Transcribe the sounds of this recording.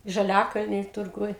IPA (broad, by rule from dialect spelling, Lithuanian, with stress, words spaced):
ʒɐˈlʲæːkɐlʲnʲiː tʊrˈɡʊj